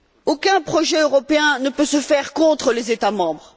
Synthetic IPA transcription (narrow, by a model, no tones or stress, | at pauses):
okɛ̃pχɔʒɛøʁɔpeɛ̃nəpøsəfɛʁkɔ̃t̪χəlezet̪amɑ̃bʁ